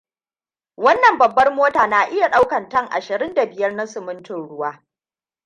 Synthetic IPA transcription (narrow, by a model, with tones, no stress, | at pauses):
wɐ˦nːɐ˨mbɐ˨bːɐ˦rmoː˦taː˨naː˨ʔɪ˦ja˨ɗa˦wkɐ˨ntɐ˦˨ŋʔa̰˨ʃɪ˨ɾɪ˦nda˨bɪ˨jɐ˦rna˦sʊ˨mʊ˦ntʊ˨nɽʊ˦waː˦